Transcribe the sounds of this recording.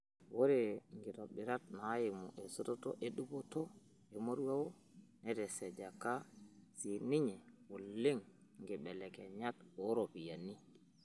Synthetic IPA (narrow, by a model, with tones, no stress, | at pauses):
wo˦ɾeŋɡi˨to˨ɓi˨ɾa˦t̚na˨˦ji˨mṵ˨ʔe˨so˦to˦to̰˦ʔe˨ɗu˦bo˦to˦ | e˨mo˦ɾwa˦wo˦ | nɛ˦tɛ˨sɛ˨d͡ʒa˨ka˦si˨ni˦ɲɛ˨wu˨lːi˦ŋŋɡi˨ɓɛ˨lɛ˨kɛ˨ɲa˦toɾo˨pi˨ja˨ni˦